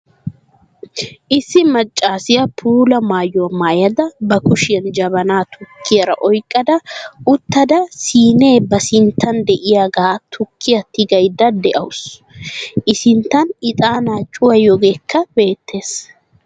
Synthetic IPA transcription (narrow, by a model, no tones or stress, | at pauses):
ʔɪsːɪmɐt͡ʃʼːaːsɪjɐpʰuːlɐmaːjomaːjɐd̪ɐbɐkʊʃɪjɐnd͡ʒɐbɐnaːt̪ʰʊkʰːɪjɐɾɐ̰ʔɔjkʼːɐd̪ɐʊt̪ːɐd̪ɐsiːne̞ːbɐsɪnt̪ʰːɐnd̪ɛʔɪjaːɡaːt̪ʰʊkʰːɪjɐt̪ːɪɡɐjd̪ɐd̪ɛʔɐ̰wʊs | ʔɪsɪnt̪ːɐnɪt̪ʼaːnaːt͡ʃʼːʊwɐjɔɡeːkːɐbe̞ːt̪ːe̞ːs